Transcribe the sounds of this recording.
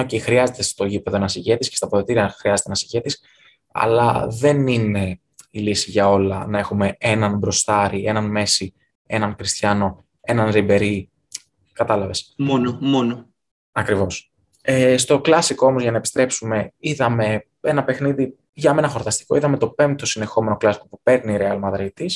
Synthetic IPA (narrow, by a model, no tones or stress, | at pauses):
ocixɾiɐze̞t̪e̞st̪o̞ʝipe̞ðo̞nɐsiʝe̞t̪iscest̪ɐpoðot̪iɾiɐxɾiɐze̞t̪enɐsiʝe̞t̪is | ɐ̰lɐ̰ðe̞nine̞ | ilisiʝɐo̞lɐnɐe̞xume̞e̞nɐnbɾo̞st̪ɐɾie̞nɐnme̞si | e̞nɐŋkɾist̪çɐno̞ | e̞nɐnɾibe̞ɾi | kɐt̪ɐlɐve̞smonomono | ɐkɾivo̞s | est̪o̞klɐsikoo̞mo̞zʝɐnɐepi̥st̪ɾe̞psume̞iðɐme̞ | e̞nɐpe̞xniði | ʝɐme̞nɐxo̞ɾt̪ɐst̪i̥ko̞iðɐme̞t̪o̞pe̞mt̪̚o̞sine̞xo̞me̞no̞klɐsi̥ko̞pupe̞ɾniːɾeɐlmɐðɾit̪is